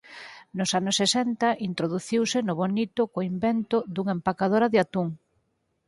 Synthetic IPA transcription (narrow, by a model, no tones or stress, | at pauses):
nʊsanʊsːesɛnt̪ɐʔint̪ɾoðuθiwsɪnʊβonit̪ʊkoimbent̪ʊd̪uŋempakað̞oɾɐðɪat̪uŋ